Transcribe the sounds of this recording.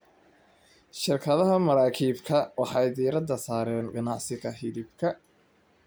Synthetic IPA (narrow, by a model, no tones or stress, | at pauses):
ʃɪrkʰɐðɐɦɐmɐɾaːkʰiːbkʰɐwɑħɑjd̪iːɾɐd̪ɐsaːɾɛːnɡɐnɑʕsɪɣɐɦɪðɪb̚kʰɐ